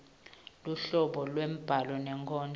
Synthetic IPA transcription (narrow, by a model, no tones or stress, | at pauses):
luɬɔɓɔlwem̩b̥ʱalɔnɛŋkʰɔːndʱ